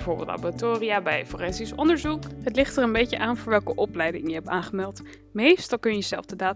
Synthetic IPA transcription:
vʊɹbɪ̰lˠta̰batoːriabɛjforɛnsisɔndəɹzukɦətlɪχtərənbejcəʔaːnvʊːɹʋɛlˠkəʔɔplɛjdɪŋjəɦɛpaːnχəmɛlˠt | mejstɑlˠkɵnjəjəzɛlˠfdədaː

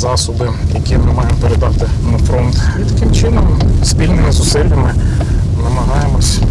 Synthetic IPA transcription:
zɑsɔbɪjɐkʲimɪmɑjemɔpeɾed̪ɑt̪ɪnɐfɾɔnt̪it̪ɐkɪmt͡ʃɪnɔmspʲilʲnɪmɪzʊsɪlʲːɐmɪ | nɐmɐɦɑjemɔsʲ

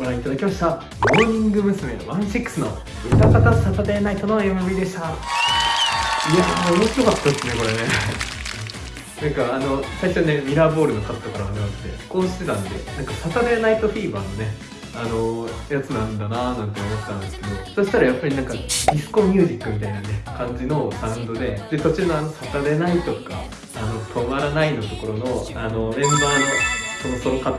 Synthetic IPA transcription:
ɡoɾãit̪ad̪akʲimaɕt̪a | mo̞ːɲ̟ĩŋɡɯ̟mɯ̟sɨme̞̰βãɰ̃ɕikːɯ̥sɨno̞̰ | ɯt̪akat̪asat̪ad̪enait̪o̞no̞emɯ̟bɯid̪e̞ɕi̥t̪a | iamomo̞ɕiɾo̞kat̪ːad̪esɨne̞ko̞ɾe̞ne̞ | nãŋkaːno̞saiɕone̞mʲiɾabo̞ːɾɯ̟no̞kakɨ̥t̪akaɾaβanaakɯ̥t̪ːe̞̰ko̞ːɕi̥t̪e̞t̪ãnd̪e̞̰nãŋkasat̪ad̪enait̪o̞ɸʲiːba̰ːno̞ne̞ | ano̞jat͡sɨnãnd̪ananãnt̪e̞omo̞t̪et̪ːãnd̪e̞sɨ̥ke̞d̪o̞so̞ɕi̥t̪aɾajapːaɾʲinãŋkadʲisɨ̥ko̞mʲjɨːʑikːɯ̟mʲit̪ainane̞kãɲ̟d͡ʑino̞saɯ̃nd̪o̞d̪e̞d̪e̞so̞t͡ɕinoanosat̪aɾe̞nait̪o̞ka̰ː | no̞t̪ʰo̞maɾanaino̞t̪o̞ko̞ɾo̞no̞ano̞mẽ̞mbaːnoso̞noso̞ɾoka

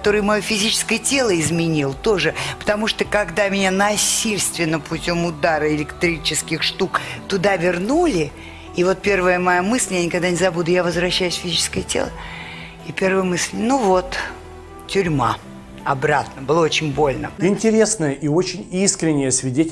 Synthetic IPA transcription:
kt̪o̞ɾɨjmɐjofʲɪzʲit͡ɕɪ̥skəjətʲe̞lˠəɪzmʲɪnʲilˠt̪o̞ʐɨpə̥t̪ɐmuʂt̪okɐɡd̪amʲɪnʲanɐsʲilʲst̪vʲɪnːəpʰʊtʲo̞mʊd̪aɾəɪlʲɪkt̪ɾʲit͡ɕɪskʲɪxʂt̪ukt̪ʊd̪avʲɪrnulʲɪ | ivo̞t̪̚pʲe̞rvəjəmɐjamɨsʲlʲjanʲɪkɐɡd̪anʲɪzɐbud̪ʊjavəzvɾɐɕːæjʉsʲfʲɪzʲit͡ɕɪ̥skəjətʲḛlˠə | ipʲe̞rvəjəmɨsʲlʲnuvo̞t̪ | tʲʊɾʲma̰ | ɐbɾat̪nəbɨlˠaot͡ɕɪnʲbo̞lʲnə̰ɪnʲtʲɪɾʲe̞snəjəʔio̞t͡ɕɪnʲiskɾʲɪnʲːɪjəsvʲɪdʲetʲɪ

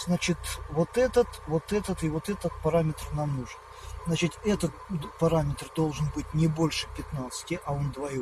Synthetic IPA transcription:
z̥nat͡ɕɪt̪vo̞t̪ɛt̪ət̪vo̞t̪ɛt̪ət̪ɨvo̞t̪ɛt̪ət̪̚pɐɾamʲɪt̪rnamnuʐɨn | znat͡ɕɪt̪ʲɛt̪ət̪̚pɐɾamʲɪt̪rd̪olˠʐɨnbɨtʲnʲɪbo̞lʲʂɨpʲɪt̪nat̪sɨ̥tʲɪʔɐo̞nd̪vɐjo

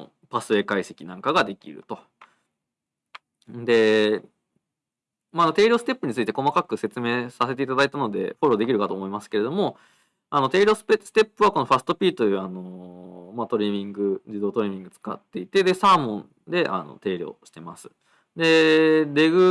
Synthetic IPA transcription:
pasɨekaise̞̥kʲinãŋkaɡad̪e̞kʲḭɾɯ̟̰t̪o̞ | d̪e̞ | maːno̞t̪e̞ːɾʲosɨ̥t̪e̞pːɯ̟ɲ̟it͡sɨit̪e̞ko̞makakɯ̟se̞t͡sɨme̞ːsase̞t̪̬e̞it̪ad̪ait̪ano̞d̪e̞̰ɸo̞ɾo̞ːd̪e̞kʲiɾɯ̟kat̪o̞ːmoimasɨ̥ke̞ɾe̞d̪o̞mo̞ | ano̞t̪e̞ːɾʲo̞ːspesɨ̥t̪e̞pːɯ̟βako̞no̞ɸasɨ̥t̪opʲiːt̪ojɯano̞mat̪o̞ɾʲimʲĩŋɡɯ̟d͡ʑid̪oːt̪o̞ɾʲemʲĩŋɡɯ̟t͡sɨ̥ka̰t̪ːe̞it̪e̞d̪e̞saːmõ̞n | d̪e̞ʔa̰no̞̰t̪e̞ːɾʲo̞̰ːɕi̥t̪e̞ma̰sɨ̥ | d̪e̞ɾe̞ɡɯ̟

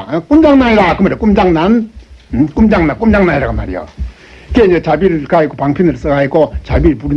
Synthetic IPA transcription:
kumd͡ʑaŋnaiɾakɯmaɾijokumd͡ʑaŋnan | kumd͡ʑaŋnankumd͡ʑaŋnaiɾakɯma̰ɾijo̰ | keet͡ɕabiɾɯkaikopaŋpʰjonɯɾs͈ɯɡaikot͡ɕabiɾɯɭpuɾi

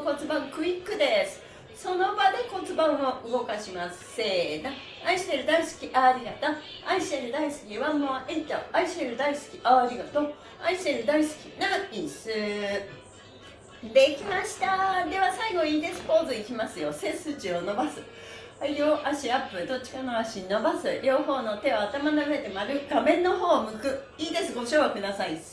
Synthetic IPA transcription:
ko̞t͡sɨbãŋkɯ̟ikːɯ̟d̪e̞sɨ̥ | so̞no̞bad̪e̞ko̞t͡sɨbãɰ̃oɯ̟ɡo̞kaɕimas | ena | aiɕi̥t̪eɾɯ̟d̪aisɨ̥kʲiʔaɾʲiɡat̪a | aiɕieɾɯ̟d̪aisɨ̥kʲiβamoaʔet̪ːaaiɕeɾɯ̟d̪aisɨ̥kʲiʔaːɾʲiɡat̪o̞ː | aiɕieɾɯ̟d̪aisɨ̥kʲi̥naĩsɨ | d̪e̞ikʲimaɕi̥t̪ad̪e̞βasaiɡo̞iːd̪e̞sɨ̥ko̞ːzoikʲimasɨjo̞sẽ̞sɨt͡ɕiono̞basɨ | aiɾʲoːʔaɕiapːɯɾɯ̟d̪o̞t͡ɕːi̥kano̞aɕiɲno̞basɨɾʲo̞ːɦo̞ːno̞t̪e̞o̞at̪amanaβɯet̪e̞maɾɯ̟ɡamẽ̞nːo̞ɦo̞ːmɯ̟kɯ | iːd̪e̞sɨɡo̞ɕoːβakɯ̟d̪asai

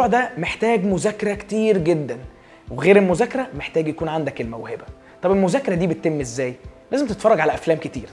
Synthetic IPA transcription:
uːʕd̪æmeħt̪æːɡmozækːeɾˤæke̥t̪iːɾɡed̪ːæn | weɣeːɾelmozækːeɾˤæmeħt̪æːɡjækuːnʕand̪ækelmæwhebæ | t̪ˤɑbelmozæːkːeɾˤɑd̪iːbet̪t̪ːemːezːæːjlæːzemt̪et̪fɑrˤːɑɡʕalæʔæflæːmket̪ḭːɾ

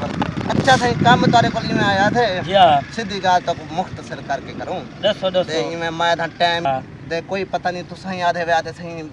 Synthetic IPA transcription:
ətːʃʰaːsaːĩːkaːmːt̪aːɾeːkolĩːmẽaːd̪ʰʱeːd͡ʒiasɪd̪ʱiːkaːlt̪oːkomʊkʰt̪əsəɾkəɾkeːkəɾõːɗəsod̪eĩːmẽːmãːd̪ʱãːʈaːɪm | t̪eːkoːiːpət̪aːnĩːt̪ʊsãːĩːaːd̪ʱeːʋeaːd̪eːsãːɦĩː

